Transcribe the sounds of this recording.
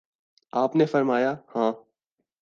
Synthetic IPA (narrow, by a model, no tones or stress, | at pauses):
aːpnefɐɾmaːjahãː